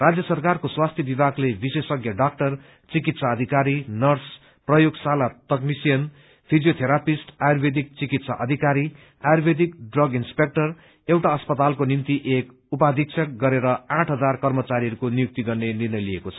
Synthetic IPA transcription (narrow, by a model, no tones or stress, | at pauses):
rad͡zjʌsʌrkarkoswast̪ʰjebibaklebisesʌɡjʌɖak̚ʈʌr | t͡sikit̪saʌd̪ʱikaɾinʌrs | prʌjoɡsalat̪ʌknisijʌn | pʰid͡zijot̪ʰeɾapisʈajurbʱed̪ik̚t͡sikit̪saʔʌd̪ʱikaɾi | ajbʱed̪ikɖrʌɡinspek̚ʈʌr | ewʈaʌspʌt̪alkonimt̪iʔek | upad̪ʱik̚sʰʌk̚ɡʌɾeɾʌãʈʰɦʌd͡zarkʌrmʌt͡saɾijʌɾukonijuk̚t̪iɡʌrnenirnʌjliekot͡sʰʌ̥